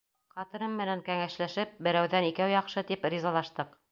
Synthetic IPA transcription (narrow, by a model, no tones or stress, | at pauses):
qɑt̪ɤ̆ɾɤmːɘ̆næŋkæŋæʃlæʃɘp̚bɘ̆ɾæwðænikæwjɑqʃɤt̪ipɾʲizɑlˠɑʃt̪ɤq